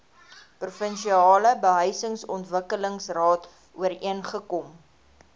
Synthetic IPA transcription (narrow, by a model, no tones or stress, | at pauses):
prufənʃiɑːləbəɦœjsəŋsɔntvəkələŋsrɑːt | uəriənχəkɔm